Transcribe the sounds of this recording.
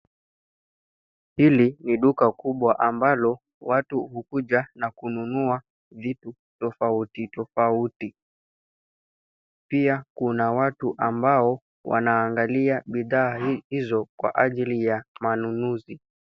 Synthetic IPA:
hiliniɗukakuɓwaʔambalɔ | watuhukuʄanakununua | vitu | tɔfautitɔfauti | piakunawatuʔambaɔ | wa̰naːŋɡaliaɓiðaːhizɔkwa̰ʔaʄilijamanunuzi

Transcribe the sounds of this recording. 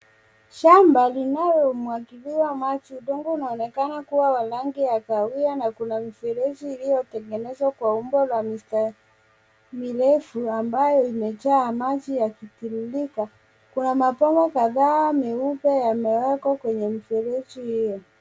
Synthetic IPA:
ʃambalinajɔmuakiliwamat͡ʃiuɗɔŋɡuunaɔnɛkanakuwawalaŋɡiakawianakunamifɛɾɛt͡ʃiːlijɔtɛŋɡɛnɛzwakwaumbɔlwamista | milɛfuambajɔimɛt͡ʃaːmat͡ʃijakitililika | kunamapɔmɡɔkaðaːmɛupɛjamɛwɛkɔkwɛɲɛmifɛɾɛt͡ʃihijɔ

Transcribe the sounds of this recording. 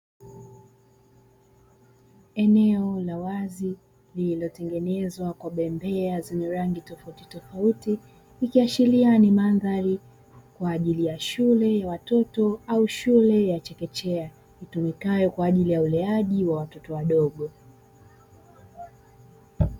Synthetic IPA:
ɛnɛɔlawazi | lililɔtɛŋɡɛnɛzwakwaɓɛmbɛazɛɲɛɾaŋɡitɔfauti̥tɔfautiː | kiaʃilianimanðaɾi | kwaːʄilijaʃulɛjawatɔtɔauʃulɛjat͡ʃɛkɛt͡ʃɛa | hitumikajɔkwaːʄilijaulɛaʄiwawatɔtɔwaɗɔɠɔ

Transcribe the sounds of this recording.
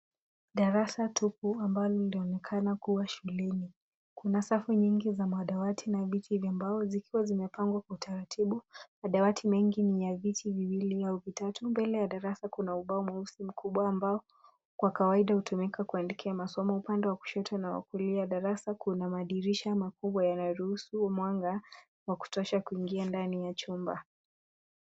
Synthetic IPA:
ɗaɾasatupuambalɔniliɔnɛkʰanakuwaʃulɛni | kunasafuɲiŋɡizamaɗawatʰinavitʰivjambaɔzikiwazimɛpaŋɡwakwautʰaɾatʰiɓumaɗawatʰimɛŋɡinijavitʰiviwiliauvitatumbɛlɛjaɗaɾasakunauɓaɔmwausim̩kuɓwaːmbaɔ | kwakawaiɗahutumɛkakuandɛkʰɛamasɔmɔupandɛwaku̥ʃɔtʰɔnawa̰kiliaɗaɾasakʰunamaɗiɾiʃamakuɓwajanajɔɾuhusumwaŋɡa | waku̥tɔʃakuiŋɡiandanijat͡ʃumba

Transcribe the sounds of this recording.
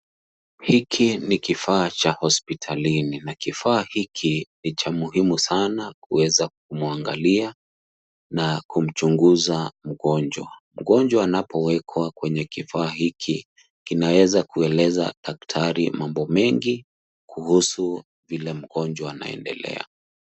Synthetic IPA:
hikʰinikifaːt͡ʃahɔspitʰalininakifaːhikʰinit͡ʃamuhimusanakṵwɛzak̚umuaŋɡa̰lia | nakum̩t͡ʃuŋɡuzam̩ɣɔnd͡ʒwa̰m̩ɡɔnd͡ʒwaːnapɔwɛkʰwakwɛɲɛkifaːhikʰi | kinawɛzakuɛlɛza̰ɗak̚tʰaɾḭmambɔmɛŋɡi | kuhusu | vilɛm̩ɡɔnd͡ʒwaana̰ɛ̰ndɛ̰lɛ̰a̰

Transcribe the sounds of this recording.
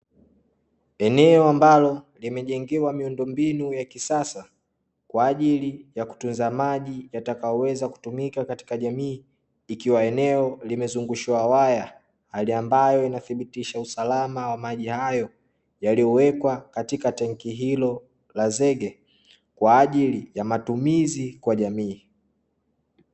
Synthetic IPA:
ɛnɛɔambalɔ | limɛʄɛŋɡɛwamiundɔmbinujakisasa | kwaːʄilijaku̥tunzamaʄijatakajɔwɛzaku̥tumikakati̥kaʄamiː | kiwaɛnɛɔlimɛzuŋɡuʃuwawaja | haliambajɔinaθiɓitiʃausalamawamaʄihajɔ | jalijɔwɛkwakatikatɛŋkiɦilɔ | lazɛɠɛ | kwaːʄilijamatumizikwaʄamiː

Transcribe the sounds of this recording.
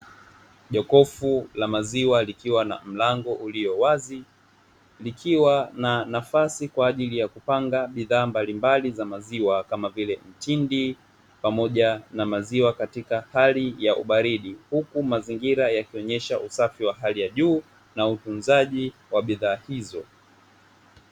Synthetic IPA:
ʄɔkɔfulamaziwalikiwana̰m̩laŋɡɔʔuliɔwazi | likʰiwananafasikwaːʄilijakupaŋɡaɓiðaːmbalimbalizamaziwakamavilɛm̩tindi | pamɔʄanamaziwakatikahalijaʔṵɓaɾiɗihukumaziŋɡiɾajakiɔɲɛʃaʔusafiwaɦalijaʄuː | nautunzaʄiwaɓiðaːhizɔ

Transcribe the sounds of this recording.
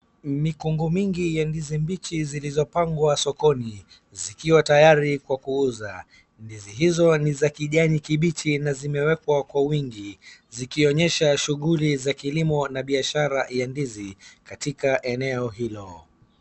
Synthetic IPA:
mikuŋɡumiŋɡijandizimbit͡ʃizilizɔpaŋɡwasɔkɔni | zikiwatajaɾikwakuuza | ndiziɦizɔnizakiʄaɲikiɓit͡ʃinazimɛwɛkwakwawiŋɡizikiɔɲɛʃaʃuɣulizakilimɔnaɓiaʃaɾajandizikatikaʔɛnɛɔɦilɔ

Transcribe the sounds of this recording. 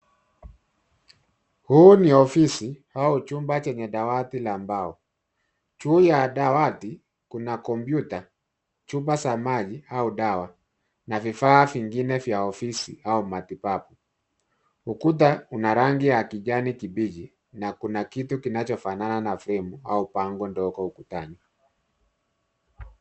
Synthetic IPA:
huːniɔfisihaut͡ʃumbat͡ʃɛɲɛɗawatilambaɔ | t͡ʃuːjaɗawati | kunakɔmbjuta | t͡ʃubasamaʄiauɗawa | navifaːviŋɡinɛvjaɔfisḭaumatipapu | ukut̬aunaɾaŋɡiakiʄanikibid͡ʒi | nakunakitukinat͡ʃɔfanananafɾɛmua̰upaŋɡɔndɔkɔukutaɲi

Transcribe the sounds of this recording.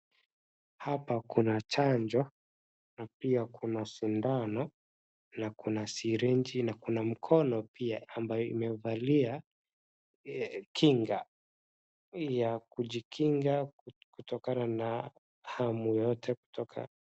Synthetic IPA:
hapakunat͡ʃaɲd͡ʒɔ | napiakʰunaʃindanɔ | nakunasiɾɛnd͡ʒinakunam̩kʰɔnɔpiaːmbajɔḭmɛvalia | kʰiŋɡa | jakuʄikʰiŋɡakutɔkanana | hamujɔtʰɛku̥tʰɔkʰa̰

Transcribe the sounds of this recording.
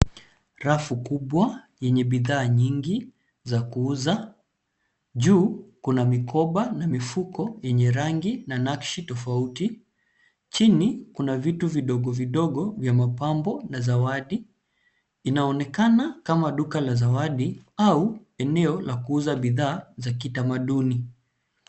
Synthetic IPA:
ɾafukuɓwajɛɲɛɓiðaːɲiŋɡi | zakuuza | ʄuːkunamikɔɓanamifukɔjɛɲɛɾaŋɡinanakʃitɔfauti | t͡ʃinikunavituviɗɔɠɔviɗɔɠɔvjamapambɔnazawaɗi | inaɔnɛkanakamaɗukalazawaɗiau | ɛnɛɔlakuuzaɓiðaːzakitamaɗuni

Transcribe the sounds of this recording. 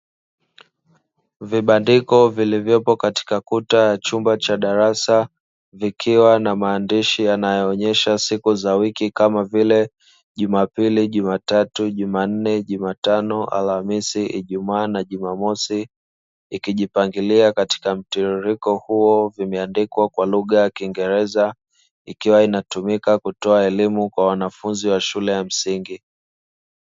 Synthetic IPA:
viɓandikɔvilivjɔpɔkati̥kakutajat͡ʃumbat͡ʃaɗaɾasa | vikʰiwanamaːndiʃianajɔːɲɛʃasikuzawikikamavilɛ | ʄumapiliʄumatatuʄuman̩nɛʄumatanɔʔa̰lhamisiʔiʄumaːnaʄumamɔsi | ikiʄipaŋɡiliakati̥kam̩tiɾuɾikɔhuɔvimɛandikwakwaluɠajakiŋɡɛɾɛza | ikiwainatumikakutɔaɛlimukwawanafunziwaʃulɛjam̩siŋɡi

